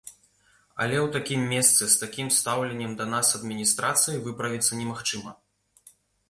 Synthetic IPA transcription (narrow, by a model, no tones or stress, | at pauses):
ɐ̰lʲɛwt̪akʲimːʲɛst̪sɨst̪akʲimst̪awlʲɛnʲːɛmd̪ɐnasɐd̪mʲinʲist̪ɾat̪sɨjivɨpɾɐvʲit̪sːɐnʲɛmaxt͡ʂɨmɐ